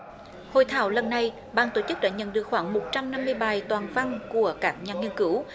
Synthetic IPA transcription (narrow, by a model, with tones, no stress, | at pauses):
ho̰˧˨jt̪ʰaː˧˩wlə˨˩nːa˧j | ɓaː˧nt̪o˧˩t͡ɕɨ˦˥k̚ɗa̰ː˧˥ɲə̰˧˨nɗɨ˨˩ək̚xwaː˧˩ŋmo˨˩t̚t͡ɕa˧mna˧mːɨ˧əjɓaː˨˩jt̪waː˨˩nva˧ŋku˧˩əkaː˦˥k̚ɲaː˨˩ŋi˧ənkɨ˧˦w